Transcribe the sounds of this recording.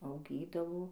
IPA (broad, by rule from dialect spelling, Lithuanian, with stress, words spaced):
ɐʊˈɡʲiːdɐʋoː